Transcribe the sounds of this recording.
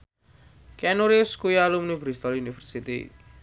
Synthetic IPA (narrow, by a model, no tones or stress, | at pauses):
kɛnuɾiskujalumnibɾist̪ɔljunifərsit̪ḭ